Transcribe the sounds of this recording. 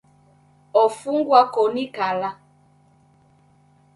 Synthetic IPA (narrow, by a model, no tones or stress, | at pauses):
ɔfuŋɡwakonikala